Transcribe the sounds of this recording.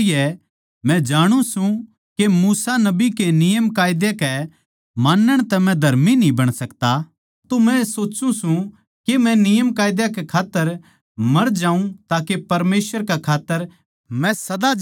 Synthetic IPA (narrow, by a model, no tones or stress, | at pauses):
ɪjɛ | mɛ̃d͡ʒaːɽ̃ũsũ | kemuːsanɐbikenɪjəmkaːjd̪jekɛ | maːnːəɽ̃t̪ɛmɛ̃d̪ʱɐɾminĩbɐɽ̃sɐkt̪a | t̪omɛ̃soːt͡ʃũsũ | kemɛ̃nɪjəmkaːjd̪jakɛkʰaːt̪ːəɾ | mɐɾd͡ʒaːũt̪aːkepɐɾmeːsʋəɾkɛkʰaːt̪ːəɾ | mɛ̃sɐd̪a